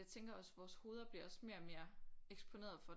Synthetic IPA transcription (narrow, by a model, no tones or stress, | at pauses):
ɑ̈ɪt͡sʰeŋɡ̥ɐɒ̽sʋɒːsho̝ːð̞ˠɐb̥liɐɒ̽sme̝ːɐme̝ːɐeɡ̥sb̥ʰo̝ne̝̰ːɐðˠfɒ̽